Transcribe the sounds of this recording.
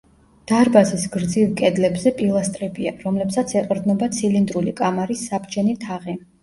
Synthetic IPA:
d̪̥aɾbazisɡɾd̪zivkʼɛd̪lɛbzɛpʼilˠast̪ʼɾɛbia̰ɾɔmlɛpsat̪sʰɛqʼɾd̪nɔbat̪sʰilind̪ɾulikʼamaɾisːabd͡ʒɛnit̪ʰaʁi

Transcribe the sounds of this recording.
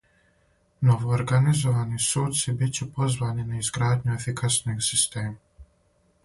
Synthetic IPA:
nɔʋɔːɾɡanizɔʋanisoːt̪sibit͡ʃipɔzʋaninaizɡɾaːd̪ɲɔefikʰasnixsist̪eːma

